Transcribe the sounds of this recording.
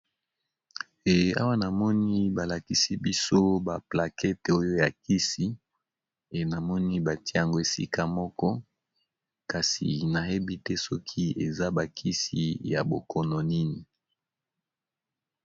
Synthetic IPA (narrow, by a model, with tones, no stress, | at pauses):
e˨a̰˦wa˦na˨mɔ˦ni˦ba˨la˨ki˦si˦bi˦so˦ba˨pla˨kɛ˦to˦jo˦ja˨ki˦si˦ | e˨na˨mɔ˦ni˦ba˨ti˦˨a˨ŋɡo˦e˨sḭ˦ka˦mɔ˦kɔ˦ | ka˨sḭ˨na˨he˦bi˦tɛ˦sɔ˦kʰi˦e˨za˦ba˨kʰi˦si˨ja̰˨bo˨kɔ˨no˨ni˦ni˨